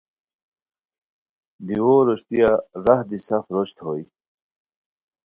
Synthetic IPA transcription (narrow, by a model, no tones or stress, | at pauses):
d̪iwoɾoɕt̪ijaɾɐhd̪isɐfɾoɕt̪hoːj